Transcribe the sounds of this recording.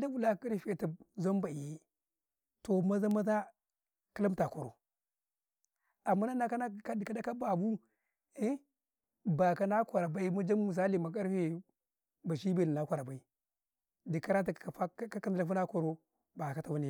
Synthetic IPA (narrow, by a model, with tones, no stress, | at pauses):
da˦u˦la˦ki˦ɾfe˦˨ta˨za˦m˦ba˨i˨˦ | to˨ma˦za˦ma˦za˦ | ki˦la˦mta˨ko˨ɾo̰˨ | a˨mːa˦na˦na˦ka˦n˦ka˦di˨ka˦da˦ka˦ba˨bu˦ | i˦ | ba˨ka˦na˦kʷa˨ɾa˨ba˦i˦ma˦d͡ʒa˦mː˦u˨s̬a˦li˨ma˨k̬a˦ɾfe˦ | ba˨ʃi˦be˨ni˨na˦kʷa˨ɾa˨ba˨i˨ | di˨ka˦ɾa˦t̬a˨a˨fa˦ka˦ka˦n˦a˨fu˦na˦ko˨ɾo˦ | ba˨ka˦ta˨wu˦ni˨